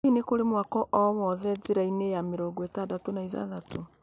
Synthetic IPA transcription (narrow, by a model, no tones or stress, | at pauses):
inekoɾemwakɔʔɔwɔðɛd͡zeɾainejameɾɔɡwɛtadatonaiða̰ðatʰo